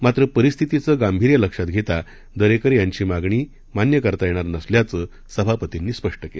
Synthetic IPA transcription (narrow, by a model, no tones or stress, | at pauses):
mat̪ɾəpəɾist̪ʰit̪it͡səːɡambʱiɾjələkʂat̪ɡʱet̪a | d̪əɾekəɾjaɲt͡ɕiːmaɡɳ̃iː | manjəkəɾt̪ajeɽ̃aɾnəsljat͡sə | səbʱapət̪inːiːspəʂʈəkel